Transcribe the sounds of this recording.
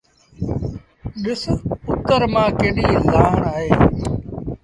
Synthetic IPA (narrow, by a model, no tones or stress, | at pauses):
ɗɪsʊt̪əɾmãːkeːniːlaːɦəɳaːɦeː